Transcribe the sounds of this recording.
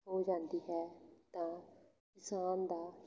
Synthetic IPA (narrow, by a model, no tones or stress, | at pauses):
ɦoːd͡ʒãːnd̪iːɦɛːt̪ãː | kɪsaːnd̪aː